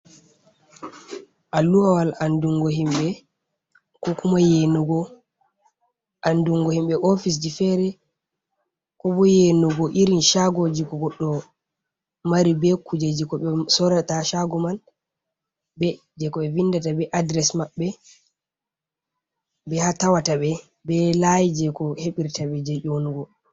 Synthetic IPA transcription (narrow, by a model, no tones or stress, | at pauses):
ʔalːuhawalanduŋɡɔɦimɓɛ | kɔkumajɛnɔɡɔ | ʔanduŋɡɔhimɓɛʔofis̬d͡ʒifɛɾɛ | kɔbɔjɛnɔɡɔʔiɾinʃaɡod͡ʒikɔɡɔɗːɔ | maɾibɛkud͡ʒed͡ʒikɔɓɛsɔɾataʃaɡɔman | bɛ | d͡ʒɛkɔɓɛvindatabɛʔadɾɛsmaɓːɛ | bɛhatawataɓɛ | bɛlajd͡ʒɛkɔheɓiɾtaɓɛd͡ʒɛʔonuɡɔ